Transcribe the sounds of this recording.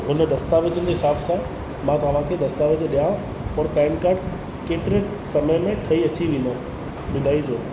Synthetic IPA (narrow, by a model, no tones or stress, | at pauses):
ɦʊnd̪ɐst̪aːʋɪd͡ʑənd͡ʑiɦɪsaːbsã | mãt̪ɐɐʋ̤ãkʰed̪ɐst̪aːʋɪd͡ʑɗijaːũ | pɐɾpɛ̃ːnkaːɾɖ | keːt̪ɪɾe | sɐməjmẽʈʰɐiɐt͡ɕiʋĩːnd̪ə | mɪ̃nd̪aːid͡ʑoː